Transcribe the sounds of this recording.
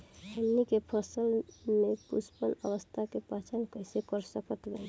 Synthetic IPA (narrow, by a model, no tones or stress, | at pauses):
ənːikepʰəsəlmekuspənə̰ʋəst̪ʰakepat͡ʃʰankəɪsekəɾsəkət̪laj